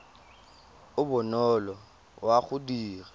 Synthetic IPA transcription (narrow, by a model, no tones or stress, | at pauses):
ʊbʊnɔlɔ | waɣʊdiːrɛ